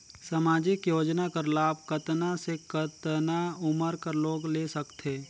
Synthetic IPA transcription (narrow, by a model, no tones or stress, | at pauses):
sɐmaːd͡ʒɪkjoːd͡ʒnakəɾlaːb̚kət̪nasekət̪naʊməɾkəɾloːɡleːsɐkt̪ʰeː